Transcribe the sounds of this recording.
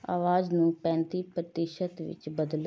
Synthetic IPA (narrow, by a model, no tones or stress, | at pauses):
a̰ːʋaːznũːpɛ̃ːnt̪iːpɾət̪ɪʃət̪ʋɪ̰t͡ʃbəd̪l